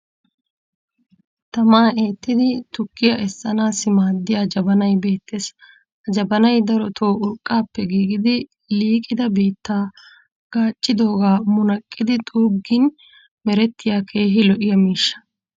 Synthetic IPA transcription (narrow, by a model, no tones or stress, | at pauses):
t̪ɐmaːe̞ːt̪ːɪd̪ɪt̪ʊkːɪjɐʔɛsːɐnaːsɪmaːd̪ːɪjaːd͡ʒɐbɐnɐjbe̞ːt̪ːeːs | hɐd͡ʒɐbɐnɐjd̪ɐɾɔt̪ʰo̞ːʔʊlkʼːaːpːɛɡiːɡɪd̪ɪ | liːkʼɪd̪ɐbiːt̪ːaː | ɡ̥aːt͡ʃʼːɪd̪o̞ːɡaːmʊnɐkʼːɪd̪ɪt̪ʼuːbɡɪn | mɛɾɛt̪ːɪjaːkʰe̞ːɦɪlɔʔɪjɐmiːʃːɐ̥